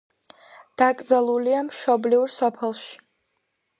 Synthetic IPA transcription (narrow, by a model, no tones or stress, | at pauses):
d̪̥akʼd̪zalˠuliamʃɔbliuɾsɔpʰɛlˠʃi̥